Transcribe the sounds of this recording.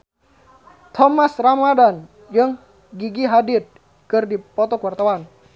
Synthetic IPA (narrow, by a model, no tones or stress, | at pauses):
t̪ʰɔmasramadan | d͡ʒɨŋ | ɡiɡiɦadɪt̪̚ | kɨrdipɔt̪ɔkuwart̪awan